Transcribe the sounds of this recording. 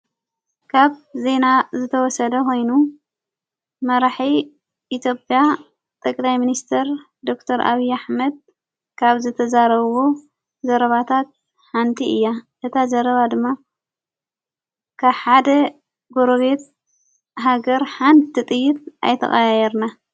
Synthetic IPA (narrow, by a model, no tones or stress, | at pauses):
kʰaβze̞nazɨt̪ʰɐwɔsɐd̪ɐko̞jnu | mɐɾaħi | ʔit̪ʰjopʼja | t̪ʼɐkʼlajminist̪ʰɐɾ | d̪o̞k̚t̪ʰɐɾʔa̰βijaħmɐd̪̚ | kʰaβzɨt̪ʰɐzaɾɐββo | zɐɾɐβat̪ʰat̪̚ | ħant̪ʰiʔɨ̰jːaʔɨt̪ʰazɐɾɐβad̪ɨmːa | kʰaβħad̪ɐ | ɡoɾoβe̞t̪̚ | ɦaɡɐɾħant̪ʰit̪ʼɨjːɪt̪̚ʔa̰jt̪ʰɐ̰xʼɐjjɛɾna